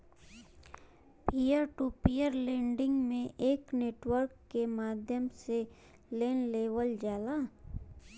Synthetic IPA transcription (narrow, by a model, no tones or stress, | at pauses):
piːjəɾʈupijəɾlẽːɳɖɪ̃ŋɡmẽʔeːkneːʈwəɾkːemaːd̪ʱjəmse | leːnleːʋəld͡ʒaːlaː